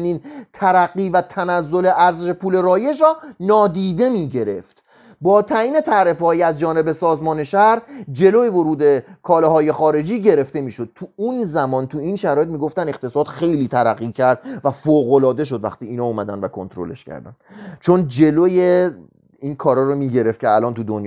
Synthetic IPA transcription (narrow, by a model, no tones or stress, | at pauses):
niːnt̪ʰæɾæɡːiːvæt̪ʰænæzːo̞le̞ʔæɾzeʃe̞pʰuːle̞ɾɒːje̞ʃ̬ɾɒːnɒːd̪iːd̪e̞miːɟe̞ɾe̞ft̪ | bɒːt̪ʰæjiːne̞t̪ʰæɾefhɒːjiæzd͡ʒɒːne̞besɒːzmɒːne̞ʃæɾd͡ʒe̞loːjevo̞ɾuːd̪e̞kʰɒːleɦɒːje̞xɒːɾe̞d͡ʒiːɟe̞ɾe̞ft̪e̞miːʃo̞d̪̥̚t̪ʰuunzæmɒːnt̪ʰuiːnʃæɾɒːje̞t̪miːɡo̞ft̪æne̞qt̪e̞sɒːd̪xe̞jliːt̪ʰæɾæɣːiːcʰæɾd̪væfoːɣolɒːd̪e̞ʃ̬o̞d̪væ̰xt̪iːiːnɒːuːmæd̪ænd̪vækʰo̞̰nt̪ɾo̞̰le̞̰ʃkcʰæ̰ɾd̪æ̰nd̪t͡ʃʰo̞nd͡ʒe̞loje | inkʰɒːɾɒːɾomiːɟe̞ɾe̞ft̪̚cʰeælɒːnt̪ʰud̪onj